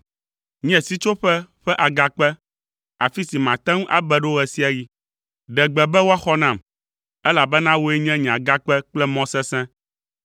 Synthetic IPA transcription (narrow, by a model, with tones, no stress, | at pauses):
ɲ˦ɛ̃˨si˦t͡ʃo˦ɸɛ˦ɸɛ˦ʔa˨ɡa˨k͡pɛ˦ | a˨fi˦si˨mã˨t̪ɛ̃˦ŋũ˦ʔa̰˦bɛ˨ɖo˦ɣɛ˨si˦a˨ji˦ | ɖɛ˨ɡ͡bɛ˨bɛ˦wo˦a˦xɔ˦nã˨m | ɛ˦la˨bɛ˦nã˦wo˦e˦ɲɛ̃˦ɲɛ̃˨ã˨ɡa˦k͡pɛ˦k͡plɛ˦mɔ̃˦sɛ̃˦sɛ̃˦